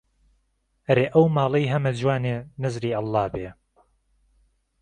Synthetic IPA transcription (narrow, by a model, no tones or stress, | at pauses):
ɐɾeːʔɐwmɑːlˠɐjɦɐmɐd͡ʒwaːneːnɐzɾiːɑlˠːɑːbeː